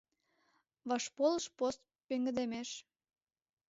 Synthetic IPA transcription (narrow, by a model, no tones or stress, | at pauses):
βɑʃpoləʃpost̪̚peŋɡə̆d̪emeʃ